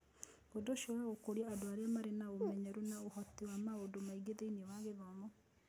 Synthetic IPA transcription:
ɡodoʃiɔwaɣokoɾiaːdoaɾeamaɾenaomɛɲɛɾunaohɔtewamaodomaiɡeðeiniɔwaɣeðɔmɔ

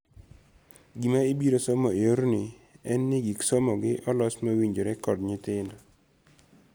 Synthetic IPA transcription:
ɡimaibiɾosɔmɔeoɾnɪɛnːɪɡiksɔmɔɡɪʔɔlɔsmawiɲd͡ʒoɾɛkɔdɲɪtɪnɔ

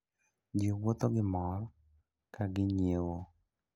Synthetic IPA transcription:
d͡ʒɪwot̪oɡɪmɔr | kaɡɪɲewo

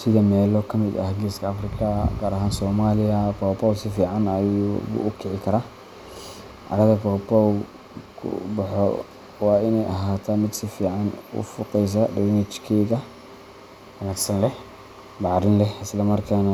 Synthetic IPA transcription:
sɪðɐmɛːlɔkʰɐmɪd̪ɐ̰hɡiːskʰɐɐfrɪkʰɐɡaːɾɐɦaːnsɔːmaːlɪjɐpʰɔːpɔwsɪfiːʕanɐjubʊ̰ʔʊkʰɪʕɪkʰɐɾaː | ʔɐ̰ɾɐðɐpɔːpɔw | kʰʊ̰bɑħɔ̰ | wɑːɪnɛjʔɐɦaːt̪ʰaːmɪd̪sɪfiːʕanʊ̰fʊqɛjs̬ɐɖɛwnɛt͡ʃkʰɛːɣɐ | wɐnaːɡsɐnlɛ | bɑʕɾɪnlɛɪslɐmɐrkʰaːnɐ

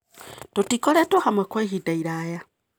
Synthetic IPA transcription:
totikoletohamwekweɦidaiɾaːja

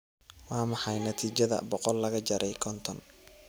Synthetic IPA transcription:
wɑːmɑħɑjnɐt̪ʰiːt͡ʃɐðɐ̰bɔqɔlːɐɣɐt͡ʃɐɾʔɛjkʰɔnt̪ʰɔn

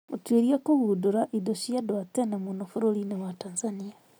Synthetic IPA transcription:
otweɾiakoβudoɾaʔidoʃiadwatɛnamonofuɾoɾinewatanzania

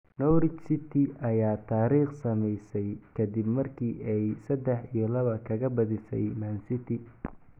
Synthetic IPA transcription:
nɔɾɪt͡ʃsɪt̪ʰɪʔɐjaːt̪ʰaːɾiːχsɐmɛjsɛjkʰɐd̪ibmɐrkʰiːʔɛjsɐd̪ɛħijɔlɐβɐkʰɐɣɐbɐðɪsɛ̰jmansɪt̪ʰɪ

